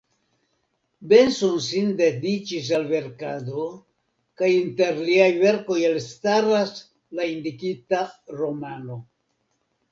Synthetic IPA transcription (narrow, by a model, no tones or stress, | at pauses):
be̞nsonsinde̞dit͡ʃis̬alve̞ɾkado̞ | kajinte̞ɾliajve̞ɾko̞jelstaɾas | laindikitaɾo̞mano̞